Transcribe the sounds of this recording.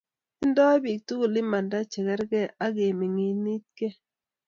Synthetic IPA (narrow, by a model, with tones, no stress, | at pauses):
ɪ˦ndɔ˦bi˨k̚tu˦ɡo˨lɪ˦ma˨nda˦t͡ʃɛ˨kɛ˦ɾɡɛ˦a˦ɡe˨mi˨ŋi˨ni˦t̪̚ke˦